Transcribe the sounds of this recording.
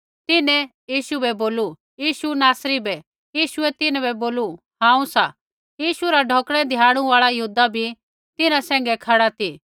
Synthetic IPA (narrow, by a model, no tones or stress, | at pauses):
t̪ɪnɛ̃jiːʃubɛboːlu | jiːʃunaːsɾibɛ | jiːʃʊɛt̪ɪnɛβɛboːlu | ɦãːũsa | jiːʃuɾaɖʱoːkɽ̃ɛd̪ʱjãːɽ̃ũaːɭajɐɦuːd̪abʱi | t̪ɪnãsɛ̃ːŋ̆ɡɛkʰaɽat̪ʰiː